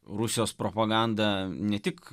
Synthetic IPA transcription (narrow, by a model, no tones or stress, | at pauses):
ɾusʲɪjoːspɾoːpɐɡɑˑnd̪ɐnʲɛt̪ʲɪk